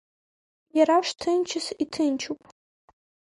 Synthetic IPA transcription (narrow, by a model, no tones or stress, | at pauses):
jaɾaʂtʰɨnt͡ʃʰɨsitʰɨnt͡ʃʰupʼ